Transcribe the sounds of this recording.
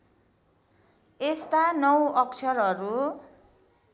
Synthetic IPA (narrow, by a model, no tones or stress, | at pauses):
est̪anʌwʌkt͡sʰʌɾʌɾu